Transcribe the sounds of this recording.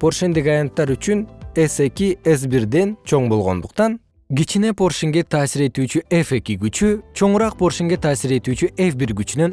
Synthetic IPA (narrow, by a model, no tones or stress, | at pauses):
pʰo̞rʃend̪ikɑjɑnt̪ːɑɾyt͡ʃynese̞kʲies̬biɾd̪e̞nt͡ʃʰo̞ɴbo̞lˠʁo̞nd̪uqt̪ɑn | ɡit͡ʃine̞pʰo̞rʃeŋɡe̞t̪ʰɑːsiɾe̞t̪yːt͡ʃyʔefe̞kʲiɡyt͡ʃyt͡ʃʰo̞ɴuɾɑq̚pʰo̞rʃiŋɡet̪ʰɑːsiɾe̞t̪yːt͡ʃyʔefbiɾɡyt͡ʃynø̞n